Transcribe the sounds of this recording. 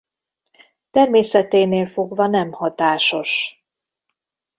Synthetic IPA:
t̪ɛrmeːsɛt̪eːneːlfo̞ɡvɒnɛmhɒt̪aːʃo̞ʃ

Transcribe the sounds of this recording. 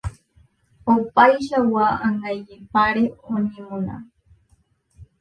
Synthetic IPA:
opajʃawaʔaŋɡajʎipaɾeoɲimona̰

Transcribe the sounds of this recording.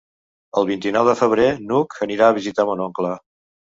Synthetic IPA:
əlˠβ̞int̪inɔwðəfəβ̞ɾenukʰəniɾaəβizit̪amunɔŋklə

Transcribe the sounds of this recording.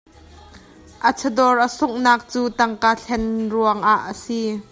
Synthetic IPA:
ʔət͡sʰədɔrʔəsʊŋnaːk̚t͡suːt̪ɐŋkaːɬʰɛnruəŋʔaʔːəsi

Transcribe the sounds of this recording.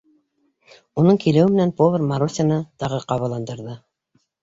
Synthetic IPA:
unɤɴkilɘ̆wɘmɘ̆nænpovʲermɑɾusʲɑnɤt̪ɑʁɤqɑβɑlˠɑnd̪ɤ̆ɾðɤ

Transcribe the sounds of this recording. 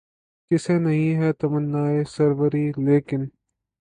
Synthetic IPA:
kɪsenɐɦĩɦɛːt̪ɐmənːaːesɐɾʋəɾiːleːkɪn

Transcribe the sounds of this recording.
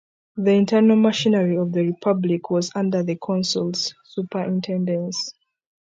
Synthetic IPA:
ðiĩntʰɛnalˠmaʃĩnəɹiɔvðəɹipʰablikʰwɔzãndə˞ðəkʰɔ̃nsulˠsːupə˞ʔĩntʰɛ̃ndə̃ns

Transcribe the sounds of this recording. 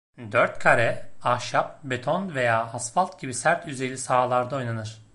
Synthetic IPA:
d̪øɾt̪kʰaɾɛaʃap̚be̞t̪ʰonve̞jaːasfalˠt̪ɟibisæɾt̪ʰyze̞lʲisaːlˠaɾd̪ao̞jnanɯɾ̥

